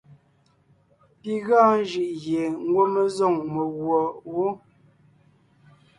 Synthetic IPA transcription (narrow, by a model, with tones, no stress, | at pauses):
pi˦ɣãː˦n˦ʒɯ˨ʔɣje˨ŋ̩˦ɡwo˦mə˦zɔ˦˨ŋmə˨ɣwɔ˨wo˦